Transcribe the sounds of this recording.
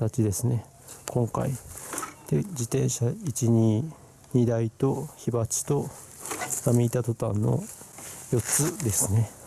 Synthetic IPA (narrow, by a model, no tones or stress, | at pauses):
t̪at͡ɕid̪e̞sɨne̞ | kʰõ̞ŋka̰it̪ed͡ʑit̪ẽ̞ɰ̃ɕait͡ɕiɲ̟iː | ɲid̪ait̪o̞çibat͡si̥t̪o̞ | amʲiːt̪at̪o̞t̪ã̰nːo̞̰jo̞t͡sɨd̪e̞sɨne̞